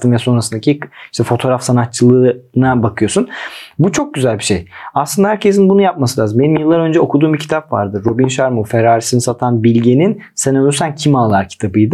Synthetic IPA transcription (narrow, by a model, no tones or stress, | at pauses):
t̪ɯmvɛso̞nɾasɯnd̪acʰʲiiʃt̪ʰɛfo̞t̪ʰo̞ːɾafsanat̪̚t͡ʃʰɯlˠɯnabakʰɯjo̞sunbut͡ʃʰo̞k̚ɟyzælʲbiʃḛjaslˠɯnd̪ahæɾcʰe̞sinbunujap̚masɯlʲaːzɯmbe̞nimjɯlˠːaɾø̞nd͡ʒɛo̞kʰud̪uːmbicʰi̥t̪ʰapva̰ɾd̪ɯɾːo̞binʃaɾmufeɾaːɾisinisat̪ʰanbilʲɟenin | senøysæncʰimaːlˠaɾcʰi̥t̪ʰabɯjd̪ɯ